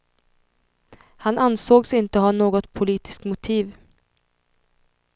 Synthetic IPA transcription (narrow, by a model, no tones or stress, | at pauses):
hanansoːɡsɪnt̪əɦanoːɡɔt̪pʰʊliːt̪ɪ̥skmʊt̪ʰiːv